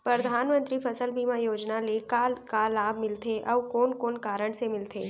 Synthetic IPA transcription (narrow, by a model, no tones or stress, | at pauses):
pɾəd̪ʱaːnmə̃nt̪ɾifʰɐsəlbiːmajoːd͡ʒnalekaːlkaːlaːbʱmɪlt̪ʰeʔɔːʋkoːnkoːnkaːɾəɽ̃semɪlt̪ʰeː